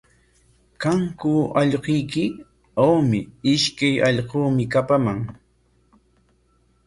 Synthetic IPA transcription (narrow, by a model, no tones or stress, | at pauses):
kaŋkʊɑʎɢʊjkɪ | awmɪɪʃkajɑʎqoːmɪkapamaŋ